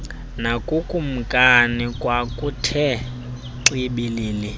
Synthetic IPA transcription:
nakʼukʼum̩kʼanikʼwakʼutʰɛ | ǀiɓiliːli

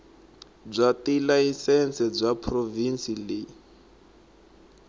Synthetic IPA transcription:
b͡ʐʷatilaisɛnt͡sɛb͡ʐʷapʰrovinsile

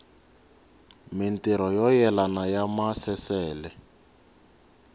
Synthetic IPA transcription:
mintiɾɔjɔjɛlanajamasɛsɛːlɛ

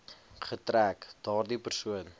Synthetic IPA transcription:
χətrækd̥ɑːrdipərsuən

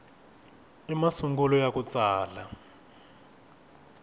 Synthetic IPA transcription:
imasuŋɡulɔjakut͡saːla

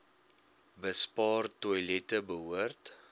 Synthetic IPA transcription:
bəspɑːrtujlɛtəbəɦuərt

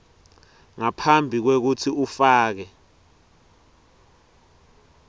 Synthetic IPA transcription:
ŋapʰambʱik̬wek̬utʰiufaːk̬ɛ

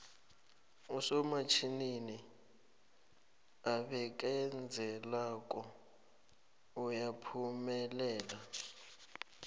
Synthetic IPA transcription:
usɔmat͡ʃʰinini | aɓɛk̬ʼɛnd͡zʱɛlakʼɔ | ujapʰumɛlɛːla

